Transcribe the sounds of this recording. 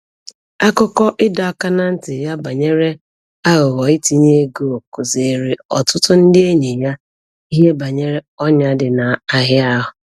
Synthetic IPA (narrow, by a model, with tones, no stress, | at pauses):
a˦kʊ˦kɔ˦ʔɪ˦da˨˦˨ka˦na˦n̩˦tɪ˨ja˦ba˨ɲe˦ɾe˦ | a˦ɣʊ˨ɣɔ˨ɪ˦ti˨ɲe˦e˦ɡo˦o˨kʊ˨ze˨ɾe˨ɔ˨tʊ˦tʊ˦n̩˦dɪ˦e˦ɲe˨ja˦ | i˦ɦe˦ba˨ɲe˦ɾe˦ɔ˦ɲa˦dɪ˨na˨a˦ɦɪ˦a˦ɦʊ˨